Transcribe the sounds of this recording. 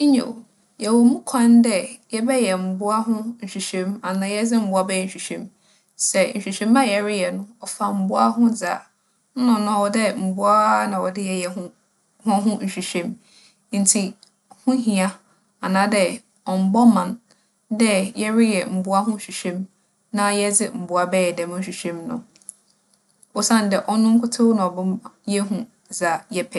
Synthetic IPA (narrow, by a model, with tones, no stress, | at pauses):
ɲõ̰˨ | jɛ˨wɔ˨mũ˦kʰã˦n˦dɛ˦jɛ˦bɛ˦jɛ˨m̩˨bʊ˦a˦ɦʊ̃˦n̩˨ɕᶣi˨ɕᶣẽ˦ma˨nã˨jɛ˦d͡zɪ˦m̩˦bʊ˦a˦bɛ˦jɛ˨ɕᶣi˨ɕᶣẽ˦m | sɛ˨n̩˨ɕᶣi˨ɕᶣẽ˦mã˦jɛ˨ɾɪ˦jɛ˨nʊ̃˦ɔ˨fa˨m̩˨bʊ˦a˦ɦʊ̃˦d͡za̰˨ | n̩˦nʊ̃˨nʊ̃˦a˨wɔ˨dɛ˦m̩˨bʊ˦a˦nã˨wɔ˨dɪ˦jɛ˨jɛ˨ɦʊ̃˦ | hʊ̃˦ɦʊ̃˦n̩˨ɕᶣi˨ɕᶣẽ˦m | n̩˨˦tʰi˨ | hʊ̃˦ɦĩ˨a˦ | a˨nã˨˦dɛ˦ | ɔ˨m̩˨bɔ˦mã˨n | dɛ˦jɛ˦ɾɪ˦jɛ˨m̩˨bʊ˦a˦ɦʊ̃˦˨ɕᶣi˨ɕᶣɛ̃˦m | nã˦jɛ˦d͡zɪ˦m̩˨bʊ˨a˨bɛː˦ɛ˨dɛ̃˨m̃˦n̩˦ɕᶣi˨ɕᶣɛ̃˦mnʊ̰̃˨ | ɔ˨sã˦˨n˨dɛ˨ʔɔ˦nʊ̃˦ŋ̩˦kʰʊ˦tʰo˦nã˨ɔ˨bʊ̃˦mjɛ˦ɦũ˦ | d͡za˨jɛ˦pʰɛ˨